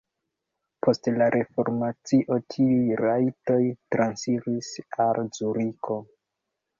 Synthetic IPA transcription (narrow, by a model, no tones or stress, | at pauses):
pʰo̞stlaɾʔe̞fo̞ɾmat͡siʔo̞tʰiujɾajto̞jtɾʔansiɾisalzuɾikʰo̞